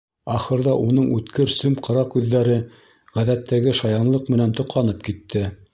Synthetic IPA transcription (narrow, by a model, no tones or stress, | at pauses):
ɑχɤ̆ɾðɑʔunɤɴʉt̪kɘɾsɵmqʰɤ̆ɾɑkʉðːæɾɘ | ʁæðæt̪ʰːæɡɘʃɑjɑnlˠɤqmɘ̆nænt̪ŏqlˠɑnɤp̚kit̪ʰːɘ